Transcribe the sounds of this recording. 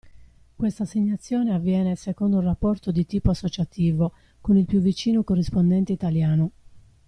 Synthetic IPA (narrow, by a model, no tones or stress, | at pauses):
kwest̪aseɲːat̪sːjɔːneavːjɛːnesekond̪oulrapːɔrt̪od̪it̪iːpoasːot͡ʃat̪iːvo | konilpjuvːit͡ʃiːnokorːispond̪ɛnt̪eit̪aljaːno